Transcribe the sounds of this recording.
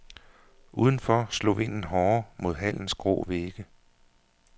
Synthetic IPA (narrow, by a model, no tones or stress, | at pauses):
ʔuːð̞ˠn̩fɒslo̰ːʋe̝n̰n̩ɦɒːmo̝ð̞ˠɦæl̰n̩sɡ̥ʁo̰ːʋeɡ̥ə